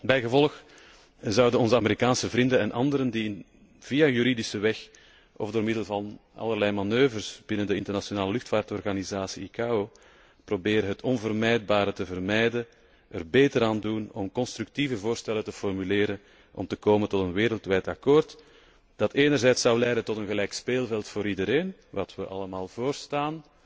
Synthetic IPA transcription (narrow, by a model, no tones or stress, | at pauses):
bɛjɣəvɔlˠəx | zɑwdənɔnzəameɾikaːnsəvrindənɛnʔɑ̰ndəɾəndi | v̥ijajyɾidisəʋɛx | ʔɔ̰vdoːrmɪdəlˠvɑnɑ̰lˠərlɛjmɑnøːvərsb̥ɪnəndəɪntərnasjonaːləlʏxtfaːrtɔrɣanizaːsiikaːoː | probeːɾəɦətʰɔnvərmɛjd̚baːɾətəvərmɛjdən | ərbeːtəɾaːndunɔmkɔnst̪ɾʉk̚tivəvoːrstɛlətəfɔrmyleːɾən | ʔɔ̰mtəkoːməntɔtənʋeːɾəlˠtʋɛjtɑkoːrt | d̥ɑteːnərzɛjtsɑwlɛjdəntɔtənɣəlɛjkspeːlˠvɛlˠtfoːɾidəɾeːnʋɑtwəʔɑləmaːlˠvoːrstaːn